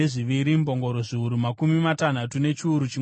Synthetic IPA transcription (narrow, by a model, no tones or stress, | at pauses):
eʐiʋiɾimbo̞ŋɡo̞ɾo̞ʐiuɾumakumimatan̤atune̞t͡ʃiuɾut͡ʃi